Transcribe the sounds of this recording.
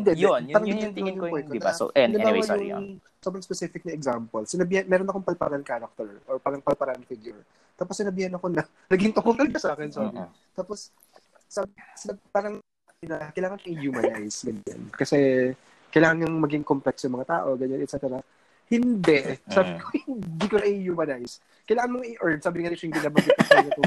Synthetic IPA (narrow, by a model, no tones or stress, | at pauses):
hɪnd̪ɛjaːɾɐŋɡɐɲɲannjʊwɛnt̪onɐ̰d̪ɐbawajʊŋŋ | so̞bɾɐŋspɛsifɪk̚nɐɛɡzampɐlsɪnɐbiːhɐnmɛːɾonɐkoŋpɐlpa̰ɾɐnkaːɾɐk̚t̪ɛɹʔoɹpaːɾɐŋpɐlpɐɾanfɪɡjʊɹ | t̪aːposːɪnɐbiːhɐnɐko̞nɐ | nɐɡɪŋt̪ʊkuːɾɐnkɐsaːkɛnsabɪ | t̪aːpos | sabsɪbpaːɾɐŋ | ɪnakɐjlaːŋɐnkɐŋihuːmɐnajsɡɐɲa̰nkɐsɛ | kɐjlaːŋɐnjɐŋmɐɡɪŋkomplɛksjʊŋmɐŋat̪a̰ːʔo̞ɡɐɲanɛt̪sɛt̪ɛɾɐ | hɪnd̪ɛʔsaːbɪkkʰohɪɪnd̪ikonɐʔihjuːmɐnajs | kɐjlaːŋɐnmoŋʔiʔɔɹd̪̚saːbɪŋanɪhɪŋɡ̪ɪnaːbɐɡɪt̪ːsanɐt̪o